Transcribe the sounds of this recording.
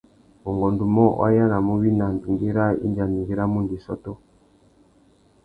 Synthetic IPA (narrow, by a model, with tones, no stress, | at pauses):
u˨ŋɡɔ˨ndu˨mɔ˦wʔa̰˦ja˦na˨mu˦βi˦na˨nu˨ŋɡi˦ɾa˦ḭ˦nd͡ʒa˨ni˨ŋɡi˦ɾa˦mu˦ndi˨sɔ̰˦tɔ˦